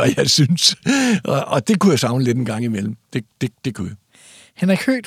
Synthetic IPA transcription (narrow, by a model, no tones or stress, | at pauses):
æjɑɪsynsʔɒʔɒ̽d̥e̝kujasɑ̈ʊnəled̥enɡ̥ɑ̈ŋ̰imel̰m̩d̥e̝d̥e̝d̥e̝kʰuja | hænɐkʰø̰ːd̥